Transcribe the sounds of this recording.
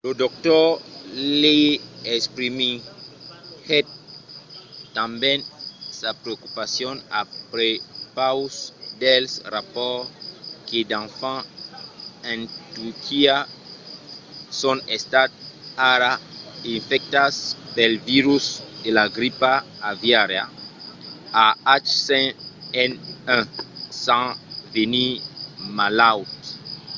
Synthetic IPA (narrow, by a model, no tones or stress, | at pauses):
lod̪ok̚t̪o | liespɾimi | het̪̚ | t̪ãmbjẽnsapɾeokupasjona̰pɾepawsd̪elsrapɔɾked̪ãɱfã | ẽnt̪uɾkʰia | sɔ̃nest̪at̪̚aɾaĩnfɛk̚t̪aspɛlviɾusd̪elaɡɾipaː | vjaɾja̰ | aat͡ʃsɛ̃ɛnɛ̃sãvenimalawt̪